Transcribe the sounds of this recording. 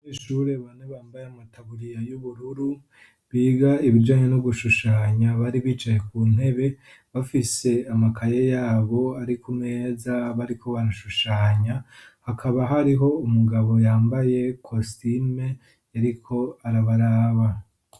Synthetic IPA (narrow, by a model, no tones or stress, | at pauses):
iːʃuɾe̞βaneβaːmbajeamataβuɾijajuβuɾuɾu | βiːɡaiβid͡ʒaːɲe̞nuɡuʃuʃaːɲaβaɾiβiːt͡ʃajekuːn̥he̞βe̞ | βafise̞amakʰajejaːβo̞aɾikumŋe̞ːzaβaɾikʰo̞βaɾaʃuʃaːɲahakʰaβaɦaɾiɦo̞umuɡaβo̞jaːmbaje̞kʰostime | jaɾikʰo̞aɾaβaɾaːβa